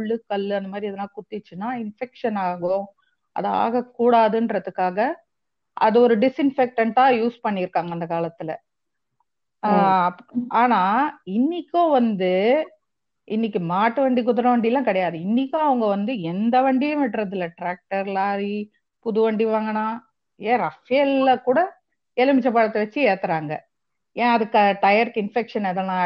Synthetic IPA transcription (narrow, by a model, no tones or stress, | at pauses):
ʊɭːɯkɐɭːɯɐnd̪ɐmaːd̪ɾiɐðɐnaːkʊt̪ːɪt͡ʃːɯnaːɪnfɛkʂɐnaːɣõ | ɐ̰ða̰ːɣɐkːuːɽaːðɯndɾɐðɯkːaːɣɐ | ʔɐ̰ðɯɔɾɯɖɪsɪnfɛk̚ʈɐɳʈãːjuːspɐɳːɪɾɯkːaːŋɡɐnd̪ɐkaːlɐt̪ːɪlɐ̰ | ɐpːaːnaːɪnːɪkʲːõːʋɐnd̪ɯ | ʔɪnːɪk̬ːɯmaːʈːɯʋɐɳɖik̬ʊðʊɾɐʋɐɳɖɪjlːãːkɪɽɐjaːðɯɪnːɪkːõːɐʋɐŋɡɐʋɐnd̪ɯɛnd̪ɐʋɐɳɖijɐ̃ʋɪʈːɾɐðɪlɐʈɾaːk̚ʈɐɾlaːɾi | pʊðʊʋɐɳɖiʋaːŋɡɐnaː | eːɾɐfɪjɐlːɐkuːɽɐ | ɛlɐmɪt͡ʃːɐpaːɽɐt̪ːɯʋɐt͡ʃːɯɛːt̪ːɐɾaːŋɡɐ̰ | ẽːɐðɯkːʈɐjɐɾkɪnfɛkʂɐnɛðɐnãː